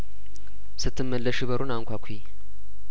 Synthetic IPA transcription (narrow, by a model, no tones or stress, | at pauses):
sɨt̪ːɨmːəlːəʃiβəɾʔunaŋkʷakʷʰi